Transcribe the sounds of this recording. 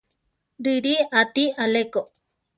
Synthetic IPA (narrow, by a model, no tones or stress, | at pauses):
ɾɨɾiat̪ialeko